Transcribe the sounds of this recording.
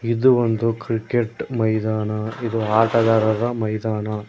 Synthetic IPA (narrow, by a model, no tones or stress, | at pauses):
id̪uʋond̪ukɾikeʈmɐjd̪aːnɐid̪uaːʈɐd̪aːɾɐd̪ɐmɐjd̪aːnɐ